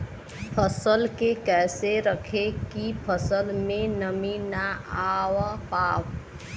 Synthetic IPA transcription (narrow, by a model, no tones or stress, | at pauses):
pʰəsəlkekɛːseɾəkʰekipʰəsəlmẽnəminaaːwapaːw